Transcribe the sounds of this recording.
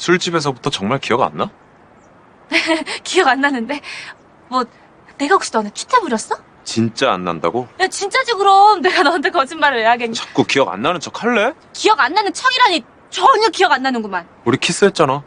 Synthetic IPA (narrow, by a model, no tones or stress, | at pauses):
sʰuɭt͡ɕ͈ibe̞s̬ʰʌbutʰʌt͡ɕʌŋmaɭkijʌɡa̰nːa | nekijʌɡanːanːɯnde̞ | mwʌ | ne̞ɡakɕ͈i̥dʌanɯt͡ɕʰi̥tʰemuɾjʌs͈ʌ | t͡ɕint͡ɕ͈a̰ːnːa̰nda̰ɡojat͡ɕint͡ɕ͈ad͡ʑoɡɯɾomne̞ɡanʌnt̬͈ʰekʌd͡ʑinmaɾɯɭeɦaɡeɲt͡ɕḁk͈okiʌɡa̰nːanɯnt͡ɕʰʌkʰaɭːe̞ | kijʌɡanːanɯnt͡ɕʰʌɡiɾaɲi | t͡ɕʌɲʌkiʌɡanːanɯnɡuman | uɾikʰis͈ɯɦet̚t͡ɕ͈ana